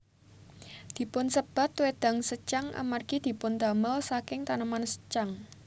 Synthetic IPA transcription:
d̪̥i̤pʊnsəb̥a̤t̪wed̪̥a̤ŋsət͡ʃaŋʔa̰marɡ̥id̪̥i̤pʊnd̪a̤məlsakɪŋt̪anəmansə̥t͡ʃaŋ

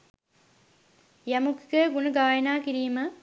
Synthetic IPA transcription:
jɐmukikəɡunuɡaːjɐnaːkiɾiːmɐ

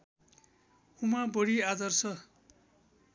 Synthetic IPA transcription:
umabʌɽiad̪ʌrsʰʌ

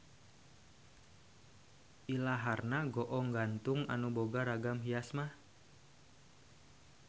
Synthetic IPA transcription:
ʔilaɦarnaɡɔʔɔŋɡant̪ʊŋa̰nuboɡaɾaɡamɦijasmah

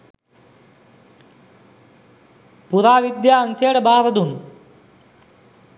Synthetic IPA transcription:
puɾaːʋid̪jaːɐŋseːɽɐbaːɾɐd̪un

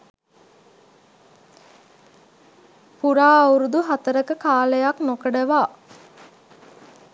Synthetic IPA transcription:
puɾaːuɾud̪uɦat̪əɾəkəkaːləjaknokəɖəʋaː

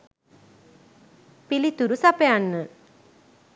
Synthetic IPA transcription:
pilit̪uɾusapeaɳːɨ

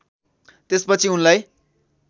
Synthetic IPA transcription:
t̪espʌt͡sʰiunlaj

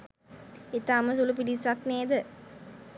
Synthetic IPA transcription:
et̪aːməs̬ulupiɖisakneːd̪ə

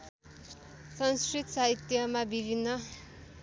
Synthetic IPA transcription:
sʌnskrit̪ʰsaɦit̪jʌmabibʱinːʌ

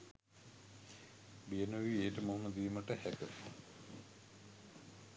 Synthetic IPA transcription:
bijənəʋieːʈəmoɦuməd̪iːməʈəhækəs

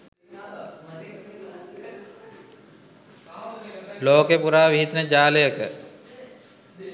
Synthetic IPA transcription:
loːkepuɾaːʋiɦit̪nəd͡ʒaːləjəkə

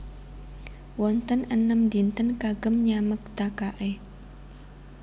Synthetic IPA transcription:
wɔnt̪ənənəmd̪int̪ənkaɡəmɲamək̚d̪̥akaʔe

